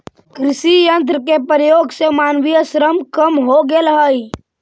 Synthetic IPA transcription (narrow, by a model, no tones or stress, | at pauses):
kɾɪʃijə̃nt̪̬ɾəkepɾjoːɡsemaːnʋijəsɾəmkəmɦoɡeləɦəi